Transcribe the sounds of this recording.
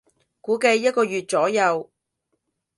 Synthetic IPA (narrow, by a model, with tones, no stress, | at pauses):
kuː˨˥ke˧jːɐ˥t̚kɔː˧jyː˨t̚t͡sɔː˨˥jɐ˨˧w